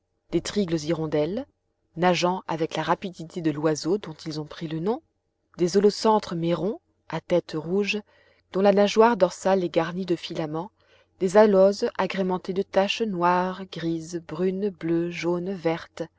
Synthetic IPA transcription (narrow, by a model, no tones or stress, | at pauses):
d̪̥et̪χiɡləziʁɔ̃d̪ɛl | naʒɑ̃avɛklaʁapid̪it̪ʰed̪əlwazod̪ɔ̃t̪ilzɔ̃pχilənɔ̃ | d̪ezɔlosɑ̃t̪χəmeʁɔ̃ | at̪ɛt̪ʁuʒ | d̪̥ɔ̃lanaʒwaʁd̪ɔʁsalɛɡaʁnid̪əfilamɑ̃ | d̪ezalɔzaɡʁemɑ̃t̪ed̪ət̪aʃnwaʁɡʁizbʁynbløʒonvɛʁt̪